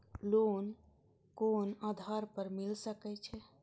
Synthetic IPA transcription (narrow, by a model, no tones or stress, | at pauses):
loːn | koːnaːd̪ʱaɾpəɾmilsəkɛt͡ʃʰɛ